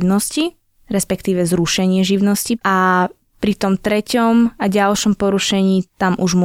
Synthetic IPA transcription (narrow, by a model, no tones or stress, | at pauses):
nɔsci | ɾɛspɛkt̪iːʋɛzɾuʃɛɲɪɛʒiʊnɔsciʔa | pɾit̪ɔmt̪ɾɛcɔmaɟalʃɔmpɔɾuʃɛɲiːt̪amʔuʒm